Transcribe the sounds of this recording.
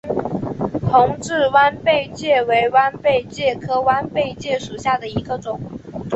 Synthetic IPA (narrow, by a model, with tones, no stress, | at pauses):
t̪ʰʊ˧˥ŋʈ͡ʂɻ̩˥˩wa˥npe˥˧ɪt͡ɕjɛ˥˩we˧˥ɪwa˥npe˥˧ɪt͡ɕjɛ˥˩kʰɤ˥wa˥npe˥˧ɪt͡ɕjɛ˥˩ʂu˨˩ɕja˥˩d̪ə˩i˧˥ɡə˧ʈ͡ʂʊ˨˩˦ŋ